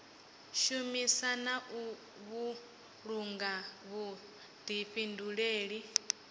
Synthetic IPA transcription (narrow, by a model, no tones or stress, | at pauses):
ʃumisanaʔu | βu | ɺuŋɡaβu | d̪̥iɸinduɺeːɺi